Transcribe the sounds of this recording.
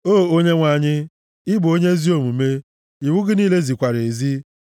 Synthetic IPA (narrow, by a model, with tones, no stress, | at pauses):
oː˦˨o˦ɲe˦ŋʷa˨ɲɪ˦ | ɪ˦bo˦ɲe˦zi˦o˦mu˨me˦ | i˨wu˦ɡɪ˦niː˦le˦zi˨kʷa˨ɾe˨zi˦